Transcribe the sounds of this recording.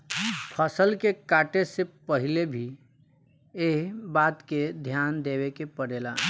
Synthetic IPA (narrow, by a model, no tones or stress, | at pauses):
pʰəsəlkekaːʈesepəɦɪlebʱi | eːɦbaːt̪ked̪ʱjaːnd̪eːwekepəɽeːlaː